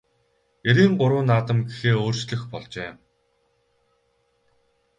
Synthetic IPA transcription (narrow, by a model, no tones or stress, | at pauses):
eɾiːŋɢʊɾʊːnːaːt̪ə̆mɡexeːoːr̥t͡ɕɮɘ̆xpɔɮt͡ɕeːm